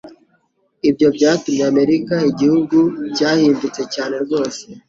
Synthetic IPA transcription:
ibɟo̞bɟaːtumɲeame̞ɾikaiɟihuɡucaːhiːndut͡se̞caːne̞ɾɡo̞ːse

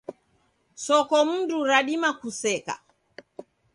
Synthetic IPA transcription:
sɔkɔm̩nduɾaɗimakusɛka̰

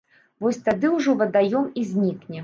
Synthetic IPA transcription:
vɔsʲt̪ad̪ɨwʐɔvɐd̪ajɔmizʲnʲiknʲɛ

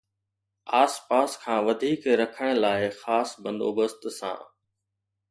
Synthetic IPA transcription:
aːspaːskʰãːʋɐd̪ʱiːkɾɐkʰəɽ̃laːɪxaːsbə̃nd̪o̰ːbəst̪sã̰ː

